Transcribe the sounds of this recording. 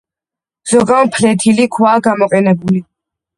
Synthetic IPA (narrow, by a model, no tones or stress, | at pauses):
z̥ɔɡampʰlɛt̪ʰilikʰwaːɡamɔqʼɛnɛbuli